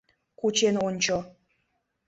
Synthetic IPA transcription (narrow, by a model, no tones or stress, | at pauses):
kut͡ɕenonʲt͡ɕo